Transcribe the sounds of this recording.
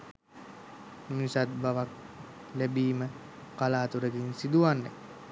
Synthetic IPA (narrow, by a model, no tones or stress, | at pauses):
mminisat̪̚baʋak̚ | læbiːmə | kalaːt̪uɾəɡinsid̪uʋanːḛ